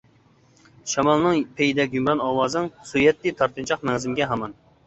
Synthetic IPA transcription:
ʃɑmɑlˠnɨŋpʰejid̪ɛkʲjymɾɑnɑːwɑːznɨŋsujɛt̪ːɨt̪ʰɑɾt̪ɨnt͡ʃʰɑqmɛŋzɪmɡʲɛɦɑmɑn

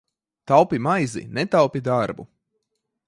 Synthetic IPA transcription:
t̪awpimajzḭnɛt̪awpid̪aɾbṵ

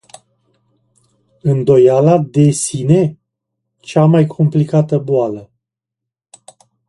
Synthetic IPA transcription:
ɨnd̪o̞jalad̪e̞sine̞ | t͡ʃamajkʰo̞mplikat̪əboalə

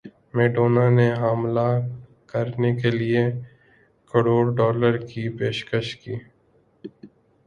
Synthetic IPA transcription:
meːʈoːnaneɦaːmla | kəɾnekelie | kəɽoːɽɖɔːləɾkipeːʃkəʃkiː

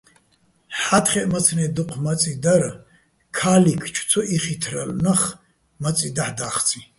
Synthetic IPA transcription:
ħat̪ʰχɛʔmat͡sʰnɛd̪uqʷʰmat͡sʼid̪aɾa | kʰalikʰt͡ʃʰt͡sʰɔʔiχit̪ʰralnaχ | mat͡sʼid̪aħd̪aːχt͡sʰʼi

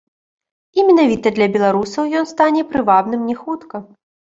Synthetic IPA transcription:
imʲɛnavʲit̪ɐd̪lʲɐbʲɛlˠaɾusɐwjɔnst̪anʲɛpɾɨvab̪nɨmnʲɛxut̪kɐ

